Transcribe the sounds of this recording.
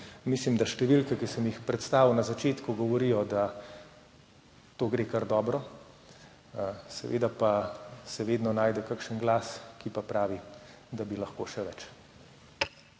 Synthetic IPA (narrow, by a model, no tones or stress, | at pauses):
mislimd̪aʃt̪ɛʋilkɛkisəmjixpɾɛt̪st̪aːʋiwnazat͡ʃeːt̪kuɡɔʋɔɾijɔd̪a | t̪oːɡɾeːkaɾd̪ɔːbɾɔ | sɛʋḛd̪apasɛʋeːd̪nɔnaːjd̪ɛkakʃənɡlaːskipapɾaːʋi | d̪abilɐxkoːʃɛʋɛt͡ʃ